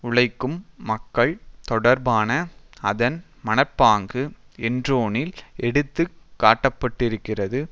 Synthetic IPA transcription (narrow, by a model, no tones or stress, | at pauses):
ʊɭɐɪkːɯmːɐkːɐɭt̪ɔɽɐɾbaːnɐɐðɐn | mɐnɐɪpːaːŋɡɯ | ɛndroːnɪlɛɽɯt̪ːɯkːaːʈːɐpːɐʈːɪɾɯkːɪrɐðɯ